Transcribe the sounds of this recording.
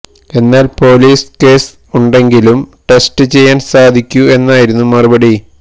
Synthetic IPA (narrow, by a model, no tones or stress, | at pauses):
e̞nːaːlpo̞ːliːske̞ːs | uɳɖe̞ŋɡilumʈe̞sʈɨt͡ɕe̞jːaːnsaːd̪ʱikʲːue̞nːaːjiɾunːumɐrubɐɽi